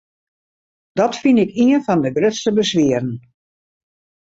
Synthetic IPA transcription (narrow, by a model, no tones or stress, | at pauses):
d̥ɔtfinɪkiənfɔndəɡrøtstəbəsʋiəɾən̩